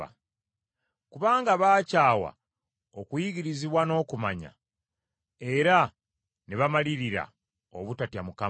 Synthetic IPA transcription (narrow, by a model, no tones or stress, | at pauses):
kuβaːŋɡaβaːcaːwa̰ | okujiɡiɾiziβwano̞ːkumaɲa̰ | e̞ɾa | neβamaliɾiɾa̰ | o̰βutatjamuka